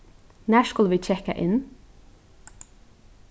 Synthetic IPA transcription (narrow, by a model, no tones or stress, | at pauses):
næːʃkʉləʋiːt͡ʃʰɛkə̰ʔɪn